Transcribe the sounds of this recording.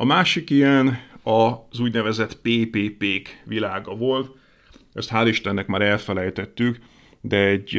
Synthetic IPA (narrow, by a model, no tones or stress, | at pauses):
ɒmaːʃikijɛnɒzuːɟnɛvɛzɛt̪peːpeːpeːkʋilaːɡɒvo̞lt̪ | ɛst̪hɦaːliʃt̪ɛnːɛkmaːɾɛlfɛlɛjt̪ɛt̪ːyk | d̪ɛɛɟ